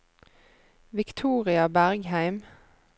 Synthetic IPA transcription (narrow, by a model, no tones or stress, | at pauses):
ʋɪkt̪ʰuːʁɪɑbæʁɡhæɪm